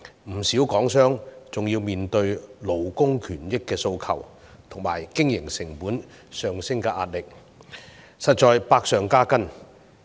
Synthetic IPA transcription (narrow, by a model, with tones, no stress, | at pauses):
m̩˨˩siː˨˥wkɔː˨˥ŋsœː˥ŋt͡sʊ˨˩ŋjiː˧wmiː˨nt̪ɵ˧ɥlo˨˩wkʊ˥ŋkʰyː˨˩njɪ˥kːɛː˧so˧wkʰɐ˨˩w | t̪ʰʊ˨˩ŋma̰ː˨˩jkɪ˥ŋjɪ˨˩ŋsɪ˨˩ŋpuː˨˥n | sœː˨ŋsɪ˥ŋkɛː˧ʔaː˧t̚lɪ˨k̚ | sɐ˨t̚t͡st͡ʃɔː˨jpaː˧k̚sœː˨ŋkaː˥kɐ˥n